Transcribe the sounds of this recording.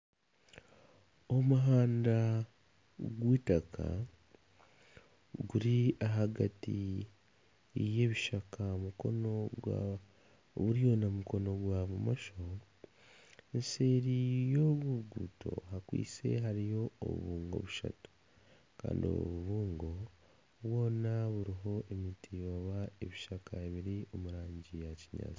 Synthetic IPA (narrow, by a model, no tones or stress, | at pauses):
o̞muɦaːnda | ɡwiːtaka̰ | ɡuɾiaɦaɡati | je̞βiʃakamuko̞̰noɡa | βuɾijo̞namuko̞no̞ɡwaβumaʃo | nse̞ɾijo̞ɡuɡuːtʰo̞̰ɦakwḭːt͡se̞̰ɦaɾijo̞o̰βṵβuːŋɡo̞̰βuʃa̰tu̥ | ka̰ːndio̰βuβuːŋɡo̞ | βwo̞ːnaβuɾiɦo̞ʔemitʰijoβae̞βiʃakaeβiɾio̞muɾaːɲɟijaciɲa̰ːt͡si